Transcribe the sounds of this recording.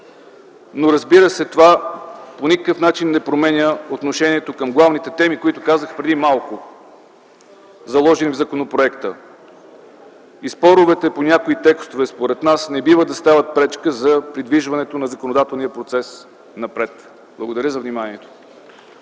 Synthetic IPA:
noɾɐzbiɾəsɛt̪ovaponʲikəkəfnat͡ʃinːɛpɾomɛnʲəot̪noʃɛniɛt̪okəmɡlˠavnit̪ɛt̪ɛmikoit̪ʊkazəxpɾɛd̪imalˠkʊ | zɐlˠɔʒɛnivzɐkonopɾoɛkt̪ə | ispɔɾʊvɛt̪ɛponʲakoit̪ɛkst̪ovɛspoɾɛt̪nasnɛbivəd̪ɐst̪avət̪̚pɾɛt͡ʃkəzɐpɾid̪viʒvɐnɛt̪onɐzɐkonod̪at̪ɛlˠnijəpɾot̪sɛs | nɐpɾɛt̪ | b̥lˠɐɡod̪ɐɾʲəzɐvnimanʲiɛt̪o̥

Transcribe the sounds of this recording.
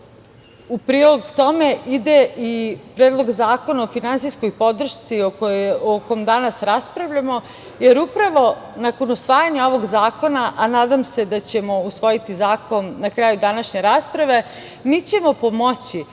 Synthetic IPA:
upɾiːlo̞ɡt̪o̞me̞ʔid̪eipɾeːd̪lˠoɡzaːko̞naofinansijskojpo̞d̪r̩ʃt̪siookomd̪anasɾaspɾaʋʎamo̞ | jeɾupɾaʋo̞nakonusʋaːjaɲao̞ʋo̞ɡzaːko̞naʔanaːd̪amsed̪at͡ɕe̞mo̞usʋo̞jit̪izaːko̞nnakɾaːjud̪anaʃɲe̞ɾaːspɾaʋe̞ | miːt͡ɕe̞mo̞po̞mot͡ɕi

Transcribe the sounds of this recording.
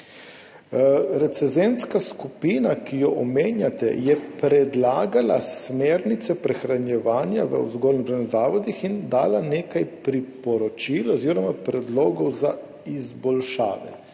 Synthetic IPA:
ɾɛt̪sɛzenskaskupiːnakijɔʔɔmeːnjat̪ɛ̰jɛpɾɛd̪laːɡala̰smeːɾnit̪sɛpɾɛxɾanjɛʋaːnja̰ʋə̰ṵzɡoːlnibɾaniɣzaːʋɔd̪ixind̪aːlaneːkajpɾipɔɾɔt͡ʃilɔziːɾɔmapɾɛd̪loːɡɔwza | izbɔlʃa̰ːʋɛ̰

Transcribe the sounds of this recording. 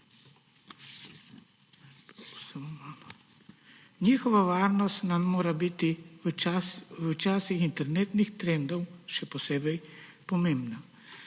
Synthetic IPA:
samɔman | nʲixɔʋaʋarnɔst̪ʲnamːɔɾabit̪ɪ | wt͡ʃasixint̪ɛrnɛt̪nixt̪ɾɛnd̪ɔwʃɛpɔsɛbɛjpɔmimbna

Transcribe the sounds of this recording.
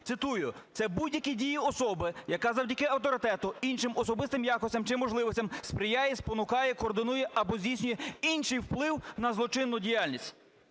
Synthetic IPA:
tsɪt̪ujʊt̪sɛbudʲjɐkʲidʲijiɔsɔbɪjɐkazɐwdʲɐkɪɐwt̪ɔɾɪt̪ɛt̪ʊinʃɪmɔsɔbɪst̪ɪmjakɔsʲɐmt͡ʃɪmɔʒlˠɪʋɔsʲtʲɐmspɾɪjajɛspɔnʊkɑjɛkɔːrd̪ɪnujɛʔɐbɔzʲdʲijsʲnʲʊjɛinʃɪjwplˠɪwnɐzlˠɔt͡ʃɪnːʊdʲijalʲnʲisʲtʲ

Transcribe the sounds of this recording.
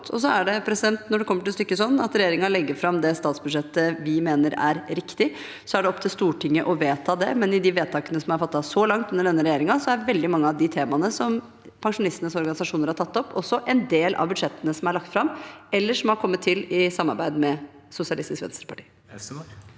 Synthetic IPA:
ɔs̬ɔæɖɛpʰɾɛsɪd̪ɛnt̪nɔɖɛkʰɔmːəʈɪlst̪ʏkːəsɔnːɑt̪ɾɛjeːɾɪŋɑlɛɡːəɾfɾɑmd̪ɛst̪ɑːt̪sbʉd̪ʂɛt̪ːəʋɪmeːnəɾæ̰ɾɾɪkt̪ɪ | sɔæɖɛɔpːt̪ɪlst̪uːʈʰɪŋːəʔɔʋeːt̪ʰɑːd̪ɛmɛnɪd̪ɪʋeːd̪t̪ʰɑːkənəsɔmhɑɾfɑt̪ːɑsɔlɑŋt̪ʉnːəɖɛnːəɾɛjeːɾɪŋɑsɔæʋɛld̪ɪmɑŋːəɑʋd̪ɪt̪ʰeːmɑnəsɔm | pʰɑŋʂʊnɪst̪ənəsɔɾɡɑnɪsɑʂuːnəɾhɑʈʰɑt̪ːɔpːʰɔsːɔʔɛnd̪eːlʔɑ̰ʋbʉd̪ʂɛt̪ːənəsɔmæɾɭɑk̚t̪fɾɑmɛlːəʂɔmhɑɾkʰɔmːət̪ʰːɪlɪsɑmːɑɾbæɪd̪mɛ | sʊsɪɑlɪst̪ɪskʋɛ̰nst̪ɾəpʰɑʈʰiː

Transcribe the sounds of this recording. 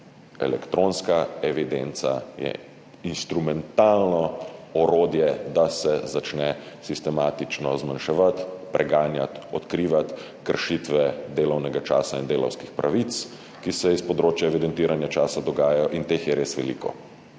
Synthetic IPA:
ɛ̰lɛkt̪ɾonskaɛʋid̪ent̪sa̰jɛ̰ | inst̪ɾumɛnt̪aːlnɔɔɾoːd̪jɛd̪asɛzat͡ʃnɛ | sist̪ɛmaːt̪it͡ʃnɔzmanʃɛʋat̪pɾʔɛɡaːnja̰t̪ɔt̪kɾiːʋat̪ | kəɾʃit̪ʋɛd̪eːlɔwnɛɡat͡ʃa̰ːsaind̪eːlɔ̰wskixpɾʔaʋit̪s | kisɛispɔd̪ɾoːt͡ʃjaɛʋid̪ɛnt̪iːɾanjat͡ʃaːsad̪ɔɡaːjajɔʔint̪eːxjɛɾeːsʋɛlḭkɔ̰

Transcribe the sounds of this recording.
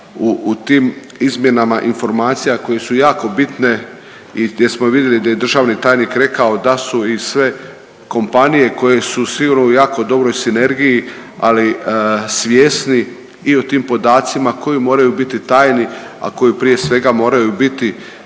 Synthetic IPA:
ut̪iːm | izmje̞namaʔinfo̞ɾmaːt̪sijakoje̞sujaːko̞bit̪ne̞ | ijjesmoʋid̪je̞lid̪aje̞d̪r̩ʒaːʋnit̪aːjnikɾe̞kao̞d̪asuisʋe̞ | ko̞mpanije̞ko̞je̞susiɡuɾnoujaːko̞d̪o̞bɾo̞jsine̞ɾɡijia̰lisʋjeːsniː | ot̪iːmpo̞d̪aːt̪simakʰo̞jimo̞ːɾajubit̪it̪aːjni | a̰ko̞jipɾije̞sʋe̞ɡamo̞ːɾajubit̪i

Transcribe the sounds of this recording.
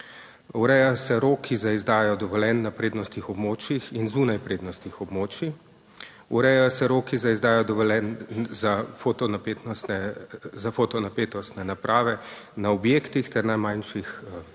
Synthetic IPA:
uɾɛjasɛɾoːkʰizaizd̪aːjɔd̪ɔʋɔlɛnːapɾeːd̪nɔst̪ixɔbmoːt͡ʃjixinzuːnajpɾeːd̪nɔst̪ixɔbmoːt͡ʃi | uɾɛjasɛɾoːkizaizd̪aːjad̪ɔʋɔlɛnzafot̪ɔnapet̪ɛzafot̪ɔnapeːt̪ɔst̪nɛnapɾʔaːʋɛ | naɔbjeːkt̪ixt̪ɛɾnajmajnʃix

